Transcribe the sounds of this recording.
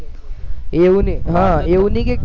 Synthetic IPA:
eniɦãeunikek̚

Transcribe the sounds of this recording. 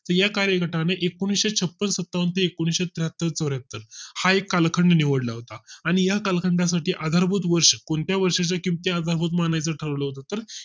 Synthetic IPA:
t̪əɾjakaɾjəkəʈaneʔekoɽ̃isɕet͡ɕʰəpːənsət̪ːaʋənt̪əekoɽ̃isɕet̪ɾɦat̪ːəɾt͡səɾjat̪ːəɾhaekːalkʰəɳɖniʋəɽlaɦot̪aaɽ̃ijakalkʰəɳɖasaʈʰiːʔad̪ʱaɾbʱut̪ʋəɾʂəkoɳt̪jaʋəɾʂat͡ɕjakimt̪iad̪ʱaɾbʱuːt̪̬manajt͡səʈʰəɾəʋləɦot̪at̪əɾ

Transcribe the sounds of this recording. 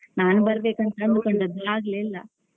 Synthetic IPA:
naːnubɐɾɐbeːkɐnt̪ɐnd̪ukoɳɖɐd̪ɐaːɡlelːɐ̰

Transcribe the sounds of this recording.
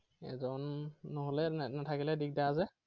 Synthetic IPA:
ɛ̰zɔnːoɦolɛnatʰakilɛdik̚daːzɛ

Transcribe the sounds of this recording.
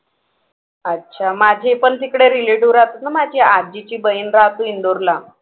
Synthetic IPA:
ətːɕʰamad͡ʑʱepənt̪ikɽeɾiliʈuʋɾat̪at̪̚namad͡ʑʱiad͡ʑit͡ɕiːbəinɾat̪uind̪oɾla

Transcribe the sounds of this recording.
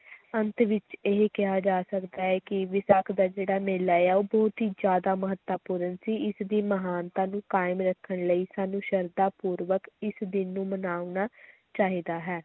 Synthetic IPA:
ənt̪ʋɪt͡ʃeɦkɪɦaːd͡ʒaːsəkd̪aːɛːkɪʋɪsaːkʰd̪aːd͡ʒeːɽaːmeːlaːjaːoːbɔːt̪ɦiːd͡ʒjaːd̪aːməɦət̪ːaːpuːɾənsiːɪsd̪iːməɦaːnt̪ãːnũːkaːɪmɾəkʰːəɳləiːsaːnũːʃəɾd̪aːpuːɾʋəkɪsd̪ɪnːũːmənaːʊnaː | t͡ʃaːɦiːd̪aːɦɛː

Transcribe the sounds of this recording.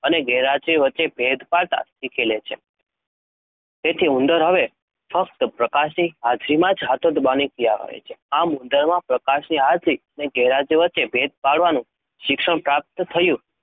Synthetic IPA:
əneɡɛɦɾad͡ʒɾiʋətːt͡ʃebʱed̪paɭt̪a̰sikʰelet͡ʃʰḛ | t̪et̪ʰiũnd̪əɾɦəʋe | fək̚t̪pɾəkaʃniɦad͡ʒɾimãd͡ʒɦat̪ʰod̪banikija̰ʋə̰ḛt͡ʃʰeamʊnd̪əɾmãpɾəkaʃniɦad͡ʒɾiəneɡɛɦɾad͡ʒiʋətːt͡ʃebʱed̪̚paɭʋanũ | ʃɪkʃəɳ̃pɾap̚t̪t̪ʰəjũ

